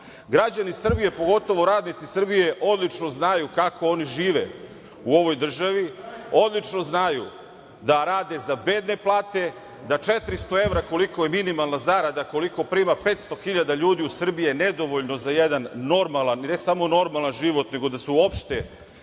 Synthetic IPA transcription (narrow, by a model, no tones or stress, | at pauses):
ɡɾad͡ʑanisr̩bije̞po̞ɡo̞t̪o̞ʋo̞ɾaːd̪nit̪sisr̩bije̞ʔo̞d̪lˠit͡ʂno̞znajukako̞o̞niʒiːʋe̞ | uo̞ʋo̞jd̪r̩ʒaʋio̞d̪lˠit͡ʂno̞znaju | d̪aɾaːd̪e̞zabe̞ːd̪ne̞plˠaːt̪e̞ | d̪at͡ʃet̪ɾist̪o̞e̞ʋɾako̞likojeminimalˠnazaɾad̪ako̞liko̞pɾiːmape̞ːt̪st̪o̞xiʎad̪aʎuːd̪iusr̩bijened̪o̞ʋo̞ʎno̞zajed̪anːo̞ɾmalˠannesamo̞no̞ɾmalˠanʒiʋo̞t̪ne̞ɡo̞d̪asuo̞pʃt̪e